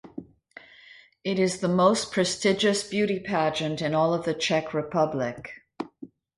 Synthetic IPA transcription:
ɪɾɨzðəmoʊspʰɹ̥ɨstɪd͡ʒɨsb̥jʉɾipʰæd͡ʒɨ̃ntɨ̃nɔlˠʌvðɨt͡ʃʰɛkʰɹɨpʰʌblɪk

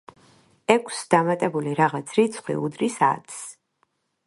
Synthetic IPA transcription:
ɛkʷʰsd̪amat̪ʼɛbuliɾaʁat̪sʰɾit̪sʰχwḭṵd̪ɾisa̰t̪ʰʼs

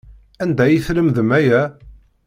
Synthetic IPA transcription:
ænd̪æjiθləmðəmæjæ

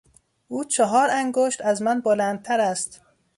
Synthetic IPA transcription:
ʔuːt͡ʃʰɒɦɒːɾæŋɡoʃt̪æzmænbolænd̪̚t̪ʰæɾæst̪

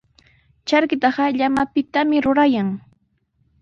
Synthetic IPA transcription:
t͡ʃaɾkɪt̪ɑɢɑʎamapɪt̪amɪɾʊɾajaŋ

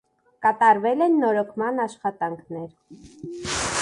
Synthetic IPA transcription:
kɑt̪ɑɾvɛlɛnːɔɾɔkʰmɑnɑʃχɑt̪ɑŋkʰnɛɾ

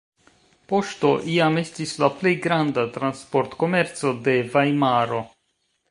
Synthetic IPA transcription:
po̞ʃto̞ʔiame̞stislaple̞jɡɾandatɾanspo̞ɾtko̞me̞ɾt͡so̞de̞vajmaɾo̞

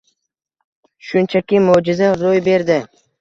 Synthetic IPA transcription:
ʃʊnt͡ʃʰakʲɪmod͡ʒɪzaɾojbe̞ɾd̪ɪ

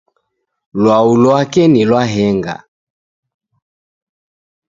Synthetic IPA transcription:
lwaulɔakɛnilwaɦɛŋɡa̰

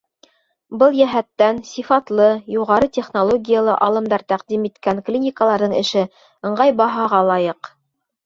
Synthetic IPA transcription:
bɤlˠjæɦæt̪ːænsifɑt̪lˠɤjuʁɑɾɤt̪ʲeχnolˠoɡʲijəlˠɤʔɑlˠɤ̆md̪ɑɾt̪æqd̪imit̪kæŋklʲinʲɪkəlˠɑɾðɤɴɘ̰̆ʃɘ | ɤ̆ɴɢɑjbɑɦɑʁɑlˠɑjɤq

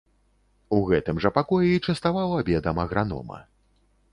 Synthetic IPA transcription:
uɣɛt̪ɨmʐɐpakɔjɛit͡ʂɐst̪avawˠɐabʲɛd̪ɐmɐɣɾanɔ̰mɐ̰

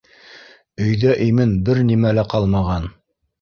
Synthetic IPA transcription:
ɵ̆jðæʔimɘnbɘɾnimælæqɑlˠmɑʁɑn

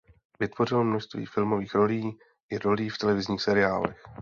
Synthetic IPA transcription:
vɪt̪vo̞rɪlomnoʃst̪vḭːfɪlmo̞viːxɾo̞liː | ʔɪɾo̞liːft̪ɛlɛvɪzɲiːxsɛɾɪaːlɛ̰x

